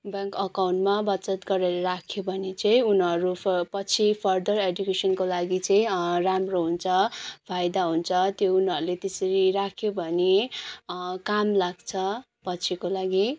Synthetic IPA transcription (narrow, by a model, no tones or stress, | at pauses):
bãŋkʌkawnʈmabʌt͡sʌt̪ɡʌɾeɾʌɾakʰjobʱʌnet͡sʌĩunʌɾupʌt͡sʰipʰʌrd̪ʌredjukesʌnkolaɡit͡sʌĩramroɦunt͡sʰʌpʰajd̪aɦunt͡sʰʌt̪jounɦʌɾulet̪esʌɾiɾakʰjobʱʌne | kamlaɡt͡sʰʌ | pʌt͡sʰikolaɡi